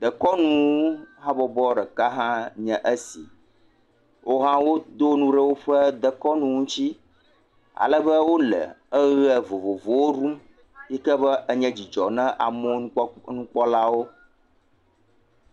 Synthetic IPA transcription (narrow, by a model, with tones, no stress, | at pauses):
d̪ə˨kɔ˦nũ˦ɦã˦bɔ˨bɔ˦ɖɛ˨ka˦ɦã˦ɲɛ̃˨ʔə˦sḭ˨ | wʔo˦ɦã˦wo˦d̪o˦nũ˦ɖə˦wo˦ɸə˦d̪ə˨kɔ˦nũ˦ŋũ˦t͡ɕi˦ | a̰˨lə˦bə˦wo˦lɛ̰˨ə˦ɣɛ˨vo˨vo˨vo˨wo˦ɾu˦m | ji˦kɛ˦bə˦ʔə˦ɲɛ̃˦d͡ʑi˨d͡ʒɔ˨nɛ̃˦ʔa˨mɔ̃˦nũ˦k͡pɔ˦la˦wo˦